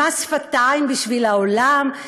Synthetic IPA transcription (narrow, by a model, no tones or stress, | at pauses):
asfat̪ajmbiʃvilaolam